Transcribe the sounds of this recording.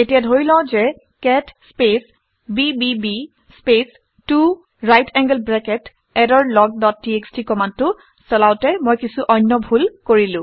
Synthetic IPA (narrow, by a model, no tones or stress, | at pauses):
etijadʱoɹilɔ̃zɛ | kɛtspes | bibibi | spes | tu | ɹajtʰɛŋɡəlbɹɛkɛt | ɛdɔɹlɔɡ̚dɔt̚ːiekstikɔmantʊ | sɔlaʊtɛmojkisuʔɔjnːɔbʱulkoɹilʊ̃